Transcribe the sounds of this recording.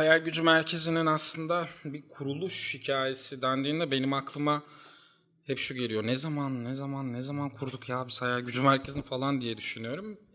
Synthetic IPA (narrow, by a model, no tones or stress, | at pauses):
hajælʲɟyd͡ʒymæɾcʰe̞zininaslˠɯnd̪abikʰuɾulˠuʃhicʰaːje̞sid̪ænd̪iːnd̪ɛbe̞nimaklˠɯma | hɛpʃuɟe̞lʲijo̞ɾnɛzamannɛzamannɛzamankʰuɾd̪ukjaːbisajalɟyd͡ʒymæɾcʰe̞zininfalˠand̪ijɛd̪yʃynyjo̞ɾum